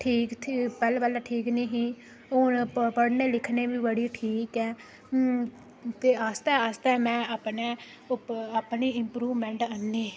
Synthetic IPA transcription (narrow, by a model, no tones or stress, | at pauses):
ʈʰiːkt̪ʰipɛːlbəlaːʈʰiːknĩːɦĩː | oːnpəɽneːlɪkʰneːʋiːbəɽiːʈʰiːkɛː | t̪eːast̪ɛːast̪ɛːmɛ̃ːapneː | ʊaːpniːɪmpɾuːʋmɛ̃ːɳʈənːeː